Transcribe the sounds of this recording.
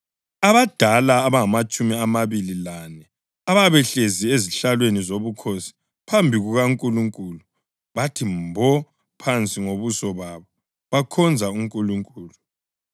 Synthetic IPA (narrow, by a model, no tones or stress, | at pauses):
aβad̥ʱalaːβaŋamat͡ʃʼumiamaβililanɛ | aβaβɛɬezieziɬalwenizoβukʰosi̥ | pʰambʱiɣuɣaŋkʼuluŋkʼulu | βatʰimbʱɔ | pʰant͡sʼiŋoβusɔβaβɔ | βakʰɔnd͡zʱauŋkʼuluŋkʼuːlu